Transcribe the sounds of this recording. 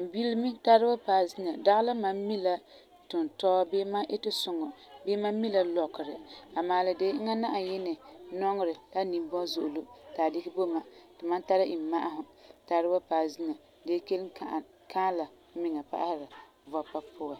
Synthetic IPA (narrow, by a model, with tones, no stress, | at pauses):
m̩˨bi˦lmi˦ta˦ɾɨ˦ba˦paː˨zi˦na˨da˦ɣla˦ma˦mmːi˦la˦ | tʊ˨n˨tɔ˦bɪː˦ma˦ʔe˦tɪ˦sʊ˨ŋɔ˨bɪː˦ma˦mi˦la˦lɔ˨kɪ˨ɾɪ˨a˨maː˨lɪ˨de˦a˦na˦ʔa˨jɪ˦nɪ˨nɔ˦ŋ˦˨ɾɪ˨la˦nĩ˨m˦bɔ˦zʊ˨ʔʊ˨lo˦taː˨dɪ˦kɪ˦bo˦ma˨tɪ˨ma˦nta˦ɾa˦ʔi˨mːa˦ʔa˦ɦʊ˨ta˦ɾɨ˦ba˦pa˨zi˦na˨ | deː˦ke˦lɪ˦ | kʰaː˦la˨ | mɪ˨ŋa˨pa̰˦ʔa˦hɪ˦ɾa˨ | va˦pa˦pʰʊ˦a˨